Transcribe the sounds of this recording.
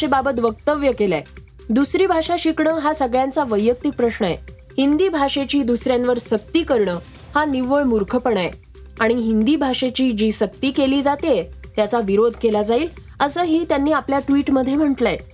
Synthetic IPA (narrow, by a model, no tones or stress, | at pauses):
ebabət̪ʋək̚t̪əʋjəkela̰ | d̪usɾiːbʱaʂaɕikɳəːɦasəɡɭjãnt͡saʋəjːək̚t̪ik̚pɾəɕɳəḛ | hind̪iːbʱaʂet͡ɕiːd̪usɾjãnʋəɾsək̚t̪iːkəɾɳəː | haniʋoɭmuɾkʰəpəɳaje | aɽ̃iɦind̪iːbʱaʂet͡ɕiːd͡ʑiːsəkt̪iːkeliːd͡zat̪et̪jat͡saʋiɾod̪ʱkelad͡zaiːl | əsəːɦiːt̪janːiːapljaʈʋiːʈməd̪ʱːjem̤əɳʈlae